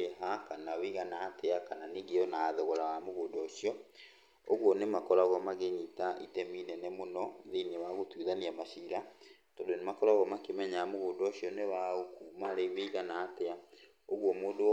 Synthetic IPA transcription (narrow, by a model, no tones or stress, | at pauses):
eɦakanawiɣanaːteakananiɡeɔnaðoɣɔɾawamoɣodɔːɕiɔ | oɣwɔnemakɔɾaɣɔmaɣeɲitaʔitɛminɛnɛmonɔðinewaɣotuðaniamaɕiɾa | tɔdonemakɔɾaɣɔmakemɛɲaamoɣodɔːɕiɔnewaokuːmaɾeβeiɣanaːtea | oɣwɔmoːdo